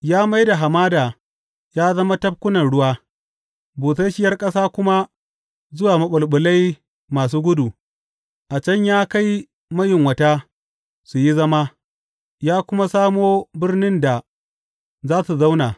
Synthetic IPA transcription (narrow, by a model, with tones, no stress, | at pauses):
jaː˦ma˦jda˨ɦa˨maː˦daː˨ | jaː˦zɐ˦ma˦tɐ˦p̚kʷʊ˦nɐ˨nɽʊ˦waː˦ | buː˨sa˦ʃɪ˦jɐ˦rkʼɐ˦saː˦kʷʊ˦ma˦ | zʊ˦waː˨mɐ˦ɓʊ˨lɓʊ˨la˦j | maː˨s̬uː˦ɡʷʊ˦du˨ | ʔa˨t͡ʃɐ˦ɲjaː˦ka˦j | mɐ˦jɪ˨ŋwɐ˨ta˦ | su˨ji˦zɐ˦ma˦ | jaː˦kʷʊ˦ma˦saː˦moː˦bɪ˦rnɪ˦nda˨ | zaː˦su˨za˦wnaː˨